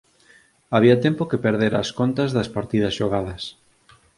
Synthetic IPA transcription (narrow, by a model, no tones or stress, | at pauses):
aβiɐt̪ɛmpokepeɾðeɾɐ̰skont̪ɐzðɐspaɾt̪iðɐsʃoɣ̞aðɐs